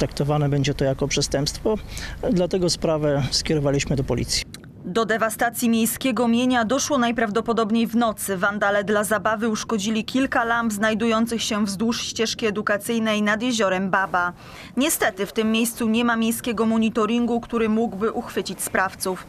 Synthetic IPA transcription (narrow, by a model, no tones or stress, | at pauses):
t̪ɾak̚t̪ɔvanɛbɛɲd͡ʑɛt̪ɔjakɔpʂɛst̪ɛmpst̪fɔd̪lat̪ɛɡɔspɾavɛskʲjɛɾɔvalʲiɕmɘd̪ɔpɔlʲḭt̪sʲji̥ | d̪ɔd̪ɛvast̪at̪sʲjimʲejskʲɛɡɔmʲjeɲad̪ɔʂwɔnajpɾavd̪ɔpɔd̪ɔbɲejvnɔt̪sɘvand̪alɛd̪lazabavɘuʂkɔd͡ʑilʲikʲʰilkalambznajd̪ujɔnt̪sɘxɕɛvzd̪wuʂɕt͡ɕɛʂkʲiɛd̪ukat̪sɘjnɛjnad̪jeʑɔɾɛmbaba | ɲɛst̪ɛt̪ɘft̪ɘmːjejst̪suɲɛmamʲjejskʲɛɡɔmɔɲit̪ɔɾʲiŋɡukt̪uɾɘmuɡbɘʔuxfɘt͡ɕit͡ɕspɾaft̪suf